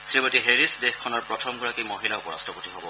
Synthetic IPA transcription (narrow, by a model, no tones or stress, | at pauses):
sɹibotiɦeɹisdexkʰːɔnɔɹpɹɔtʰɔmɡɔɹakimoɦilaupɔɹa̰stʰɔpotiɦɔbɔ